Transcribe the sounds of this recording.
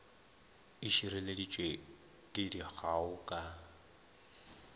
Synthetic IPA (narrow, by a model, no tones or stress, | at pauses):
iʃiɾɛledit͡ʃʼwe | tʼidiɣʰaʊkʼa